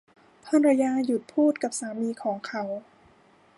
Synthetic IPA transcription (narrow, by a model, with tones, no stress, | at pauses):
p̪ʰɔː˥˨nɾa˧jaː˧˥ju˨˩t̪̚pʰuː˥˩t̪̚ka˨˩p̚saː˩˦miː˧kʰɔː˩˦ŋkʰa˨˦˥w